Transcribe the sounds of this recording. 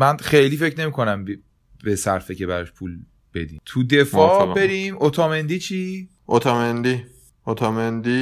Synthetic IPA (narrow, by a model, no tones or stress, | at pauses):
mænxejliːfe̞cʰne̞miːkʰo̞næmb | besæɾfece̞bæɾɒʃpʰuːl | b̥e̞d̪ḭmt̪ʰud̪e̞fɒːbe̞ɾiːmot̪ʰɒːmend̪iːt͡ʃʰiː | ʔot̪ʰɒːmend̪i | ot̪ʰɒːmend̪i